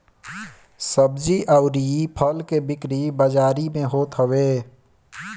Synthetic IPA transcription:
səbd͡ʒiʔaʊɾiipʰəlkebɪkɾibəd͡ʒaːɾimẽɦoːt̪ɦəweː

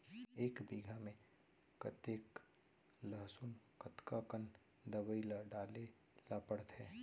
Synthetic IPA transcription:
eːkbiːɡʱamẽ | kət̪eːk | ləɦsunkət̪kakən | d̪əbəilaɖaːle | lapəɽt̪ʰɛː

